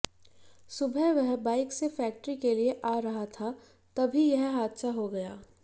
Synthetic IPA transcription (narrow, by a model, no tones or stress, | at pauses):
sʊbʱɛʋɛɦbaːɪksefɛːk̚ʈəɾikelieʔaːɾɐɦat̪ʰa | t̪ɐbʱijɛɦɦaːd̪ʃaɦoɡɐjaː